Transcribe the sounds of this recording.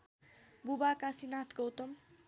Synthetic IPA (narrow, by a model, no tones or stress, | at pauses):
bubakasinat̪ʰɡʌwt̪ʌm